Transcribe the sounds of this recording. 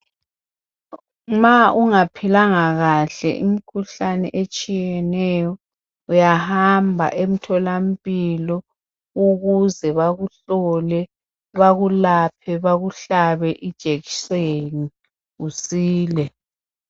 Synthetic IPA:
maʔuŋapʰilaŋaɣaɬɛ̰ʔum̩kʰuɬanɛ̰ʔet͡ʃʼijɛnɛjɔ | ujahambʱa̰ʔem̩tʰɔlam̩pʼilɔ | uɣuzɛβaɣuɬɔlɛ | βaɣulapʰɛβaɣuɬaβɛʔid̥ʒ̥ʱeɣiseni | ɣusiːlɛ

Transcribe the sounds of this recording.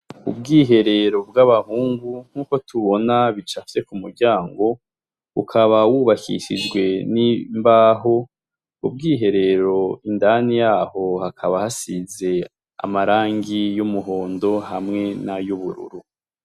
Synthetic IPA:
ṵb̚ɡiːɦe̞ɾe̞ɾo̞bɡaβahuːŋɡuŋ̥huːko̞tʰuβo̞naβit͡ʃafi̥t͡se̞kumuɾɟaːŋɡo̞ | βukʰaβawuβakʰḭʃid͡ʒɡwe̞nimbaːɦo̞ | ṵb̚ɡiːɦe̞ɾe̞ɾo̞indanijaːho̞hakʰaβahasize̞ | a̰maɾaːŋɡijumuɦo̞ːndo̞hamŋe̞najuβuɾṵɾu

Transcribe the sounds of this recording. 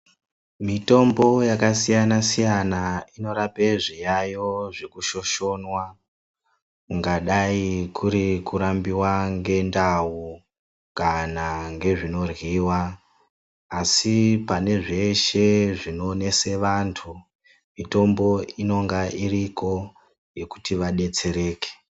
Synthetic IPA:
mito̞mbo̞jakasijanasijanaino̞ɾapeʐijajo̞ʐekuʃo̞ʃo̞nwa | kuŋɡaɗaikuɾikuɾambiwaŋɡe̞ndau | kanaŋɡe̞ʐino̞rwiwa | sipane̞ʐe̞ʃe̞ʐinone̞se̞ʋantʰu | mito̞mbo̞ino̞ŋɡaʔirikʰo̞ | je̞ku̥tiʋaɗe̞t͡se̞ɾe̞ːke̥

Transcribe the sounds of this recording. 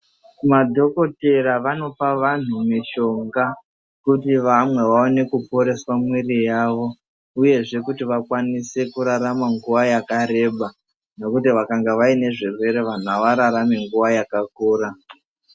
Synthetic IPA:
madʱo̞ko̞te̞ɾaʋano̞paʋan̤umiʃo̞ŋɡa | kutiʋamwe̞ʋaone̞kupo̞ɾe̞swamwirijaʋo̞ | uje̞ʐe̞kutiʋakwanise̞kuɾaɾamaŋɡuʋajakaɾe̞ɓa | no̞kutiʋakaŋɡaʋaine̞ʐirwe̞ɾe̞ʋan̤uɦaʋaɾaɾame̞ŋɡuʋajakakuːɾa

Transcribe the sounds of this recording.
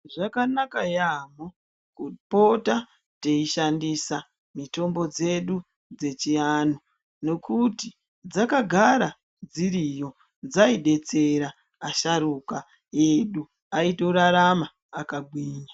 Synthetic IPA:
ʐakanakajamo | kupo̞ta | teiʃandisa | mito̞mbo̞d͡ze̞ɗu | d͡ze̞t͡ʃiano | no̞kuti | d͡zakaɡʱaɾa | d͡ziɾijo̞ | d͡zaiɗe̞t͡seɾaː | ʃaɾuka | eɗu | aitoɾaɾamaː | kaɡʱwiːɲa

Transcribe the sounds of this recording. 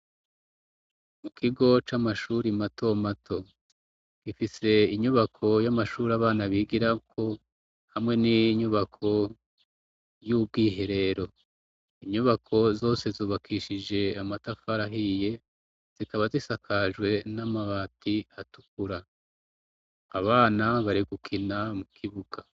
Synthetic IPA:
mukʰiɡo̞t͡ʃamaʃuːɾimatʰo̞matʰo̞ | ɡ̥ifise̞iɲuβakʰo̞jamaʃuːɾaβaːnaβiɡiɾakʰo̞ | hamŋe̞niɲuβakʰo̞ | jub̚ɡiːɦe̞ɾe̞ɾo̞ | iɲuβakʰo̞zo̞ːse̞zuːβakʰiʃid͡ʒe̞amatafaɾaɦije̞ | z̥ikaβazisakʰaʒɡwe̞namaβaːtʰiatu̥k̚uɾa | aβaːnaβaɾiɡukʰinamukʰiβuɡ̥a

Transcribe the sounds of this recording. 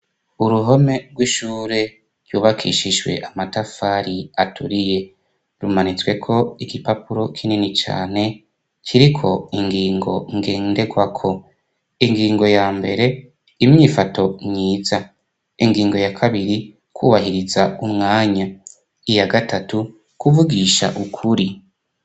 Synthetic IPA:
uɾuɦo̞me̞ɡwiʃuːɾe̞ | ɾ̥juːβakʰḭʃiʒwe̞̰ʔamatafaɾiatʰuɾije̞ | ɾumanit͡swe̞kʰo̞iɡipapuɾo̞kʰininit͡ʃa̰ːne̞ | kʰiɾikʰo̞iŋɡiːŋɡo̞ŋɡe̞ːnde̞ɡwakʰo̞ | iŋɡiːŋɡo̞jaːmbe̞ɾe̞ | imɲiːfato̞ɲiːza | iŋɡiːŋɡo̞jakʰaβiɾi | kwuːβaɦiɾizaumŋaːɲa | ijaɡatatu | kuvuɡiʃa̰ʔukʰuɾi

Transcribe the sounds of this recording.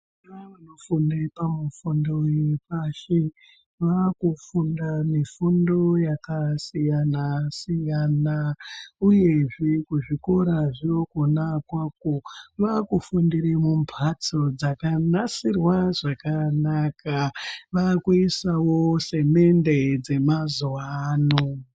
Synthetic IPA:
aanofundepamufundojepaʃe | ʋakufundamifundo̞jakasijanasijanauje̞ʐekuʐiko̞ɾaʐiokonakwak̚oʋakufundiɾemumpʰat͡sod͡zakanasirwaʐakanakaʋakuisawose̞me̞nded͡ze̞mazwaːno

